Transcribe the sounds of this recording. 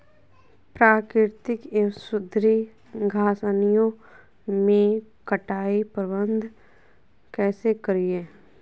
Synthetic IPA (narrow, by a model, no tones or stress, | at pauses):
pɾaːkɾɪɾt̪ɪksʊd̪ʱɾi | ɡʱaːsənijõ | mẽ | kəʈaːipəɾbə̃nd̪ʱ | kɛːsekəɾieː